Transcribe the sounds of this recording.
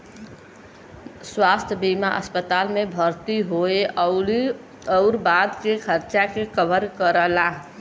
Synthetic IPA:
swaːst̪ʰəbimaʔə̰spət̪aːlmẽbʱəɾt̪iɦoe | əʊɾbad̪kekʰəɾt͡ʃakekəbəɾkəɾəlaɦ

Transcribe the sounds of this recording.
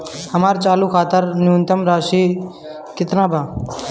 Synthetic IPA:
həmaːɾt͡ʃaːluːkʰaːt̪əɾnjuːnt̪əmɾaːʃiː | kɪt̪nãːbʱaː

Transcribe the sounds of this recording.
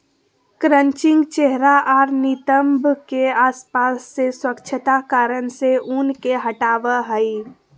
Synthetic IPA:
kɾəɲt͡ʃɪ̃ŋɡt͡ʃeɦɾaʔaɾnit̪əmbʱkeaːspasːeswəkt͡ʃʰət̪akaːɾənseʔunkeɦəʈaːʋəɦəi

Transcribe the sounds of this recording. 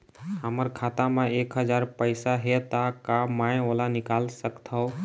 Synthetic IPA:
əməɾkʰaːt̪amãeːkɦəd͡ʒaːɾpəɪsaɦet̪akamãːjolanɪkaːlsəkt̪ɦəo

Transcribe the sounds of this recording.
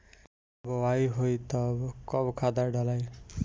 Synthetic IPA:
bɔwajɦojt̪ʌbkɔbkʰad̪aɖʌlaj

